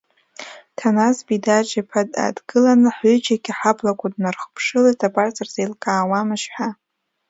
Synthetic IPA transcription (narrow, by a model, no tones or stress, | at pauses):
tʰanasbidat͡ʃʼapʰada̰dɡɨlanɨħʏd͡ʒaɡʲiħabʰlakʷʰʼadnarχpʰʂɨlatʰapʼart͡sʼarzejlkʼaːwamɨʃħʷa